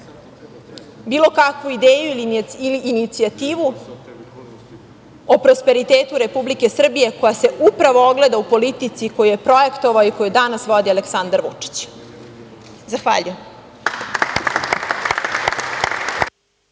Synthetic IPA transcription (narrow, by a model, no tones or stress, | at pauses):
biːlˠo̞kakʋuid̪eːjuiliiliːnit̪siat̪iːʋu | opɾo̞spe̞ɾit̪eːt̪uɾe̞publike̞sr̩bije̞ko̞jase̞ʔupɾaʋooɡled̪aupo̞lit̪it̪siko̞jujepɾo̞e̞kt̪o̞ʋaoiko̞jud̪anasʋo̞d̪iale̞ksand̪aɾʋṵt͡ʂi̥t͡ɕ | zaxʋa̰ːʎujem